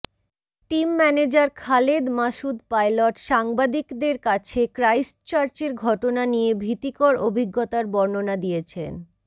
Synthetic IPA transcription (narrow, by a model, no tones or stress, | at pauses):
ʈimːɛned͡ʑaɾkʰaled̪maʃud̪pajloʈʃaŋbad̪ikd̪eɾkat͡ɕʰekɾajsʈt͡ɕaɾt͡ɕeɾɡʱɔʈonanijebʱit̪ikoɾobʱiɡːot̪aɾbɔɾnonad̪ijet͡ɕʰḛn